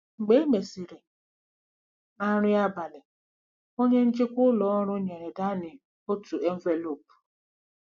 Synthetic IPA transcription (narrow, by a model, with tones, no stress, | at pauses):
ŋ͡m̩˨ɡ͡be˦me˨si˨ɾe˨ | a˦ɾ̃ʊ˦ja˦ba˨lɪ˨ | o˦ɲe˦n̩˦t͡ʃɪ˦kʷʊ˦lɔ˦ɔ˦ɾʊ˦ɲe˨ɾe˨da˦nɪ˨ | o˦tu˨e˦ɱ̩˦ve˦lo˨pu̥˨